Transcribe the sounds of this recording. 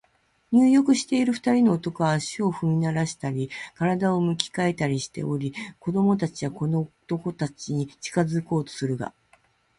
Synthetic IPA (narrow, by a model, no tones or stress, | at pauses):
ɲ̟ɨːjo̞kɯ̟ɕi̥t̪e̞iɾɯ̟ɸɯ̟̥t̪aɾʲino̞ːt̪o̞ko̞βaːɕio̞ɸɯ̟mʲinaɾaɕi̥t̪aɾʲikaɾad̪ao̞mɯ̟kʲi̥kae̞t̪aɾʲiɕi̥t̪e̞̰ʔo̞ɾʲiko̞d̪o̞mo̞t̪̬at͡ɕiβako̞not̪o̞ko̞t̪at͡ɕiɲ̟it͡ɕi̥kazɨko̞ːt̪o̞̥sɨɾɯ̟ɡa̰